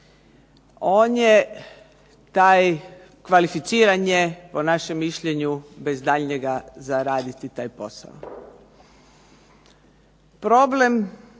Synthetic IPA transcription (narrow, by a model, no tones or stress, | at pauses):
o̞ːnje | t̪aːj | kʋalifit̪siːɾaɲjepo̞naʃemːiʃʎeɲube̞zd̪aʎɲeɡazaɾaːd̪it̪it̪aːjpo̞sa̰o̰ | pɾo̞ble̞m